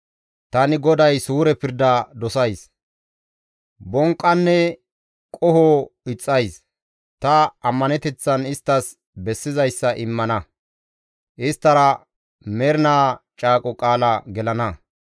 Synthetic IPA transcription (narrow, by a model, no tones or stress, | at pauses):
t̪ɐnɪɡɔd̪ɐjsuːɾɛpɪɾd̪ɐd̪ɔsɐjs | bɔŋkʼːɐnːɛ | kʼɔhɔːɪt͡sʼːɐjs | t̪ɐɐmːɐnɛt̪ɛt͡sːɐnɪst̪ːɐs | bɛsːɪzɐjsːɐʔɪmːɐnɐ | ʔɪst̪ːɐɾɐ | mɛɾɪnaːt͡ʃʼaːkʼɔkʼaːlɐɡɛlɐnɐ